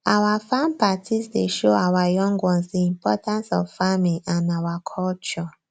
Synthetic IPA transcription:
awafãmpatʰisdeʃoawajɔ̃ŋɡwɔ̃nsdiĩmpɔtãnsɔ̰vfamiʔãnawakʰɔlt͡ʃɔ

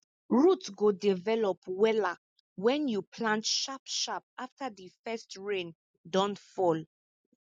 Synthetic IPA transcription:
ɹutɡodivɛlɔpwɛla | wɛ̃njupʰlãntʃapʃap̚aftʰadifɛstɹẽn | dɔ̃ntfɔl

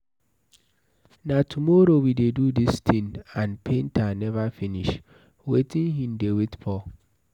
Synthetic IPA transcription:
natʰumɔɾowidedudistʰĩnãnpʰẽntʰanɛvafiniʃ | wetĩnɦĩmdewetpʰɔ

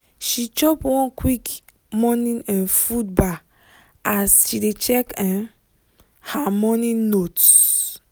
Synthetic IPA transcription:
ʃit͡ʃɔpwɔ̃nkwik | mɔnĩnɛ̃nfudbak | asʃidet͡ʃɛkɛ̃ | hamɔnĩnot

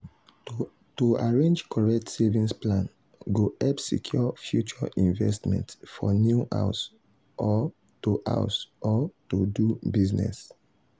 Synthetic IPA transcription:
toaɹẽnd͡ʒkɔɹɛk̚tsevĩnsplãn | ɡoɛpsḭkʰjɔfjut͡ʃɔʔĩɱvɛstmɛ̰̃ntfɔnjuʔa̰ʊs | ʔɔ | tuʔa̰ʊsɔtudubiznɛ̰s

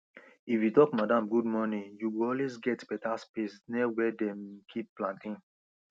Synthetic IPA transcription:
ifjutɔkmadãmɡud̚mɔnĩjuwilɔlwezɡɛtb̥ɛtaspesnɛwɛdɛ̃mkʰip̚plãntĩŋ

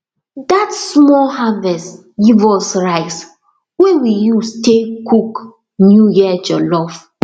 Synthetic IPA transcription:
datsmɔlɦavɛst | ɡivɔsɹaɪs | wewijustekuk | njujid͡ʒɔlɔf

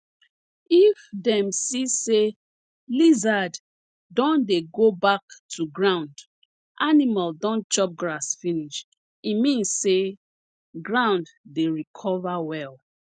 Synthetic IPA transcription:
ifdɛ̃msise | lizad | dɔ̃ndeɡobaktʰuɡɹãʊ̃nd | ʔanimaldɔ̃nt͡ʃɔp̚ɡɹasfiniʃ | imĩnsːe | ɡɹãʊ̃nddeɹikʰɔvawɛl

